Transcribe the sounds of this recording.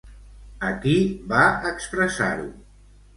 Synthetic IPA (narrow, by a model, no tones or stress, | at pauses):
əkiβaəkspɾəsa̰ɾṵ